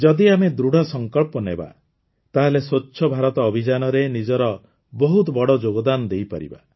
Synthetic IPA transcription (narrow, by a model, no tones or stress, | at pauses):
d͡ʒɔd̪iamed̪ɾuɽ̤ʱɔsɔŋkɔɭpɔnḛba̰ | t̪aɦalesoːʃʰɔbʱaɾɔt̪ɔːbʱid͡ʒanɔɾenid͡ʒɔɾɔ | bɔɦut̪̬ɔbɔɽɔd͡ʒoɡɔd̪anɔd̪ejpa̰ɾḭba̰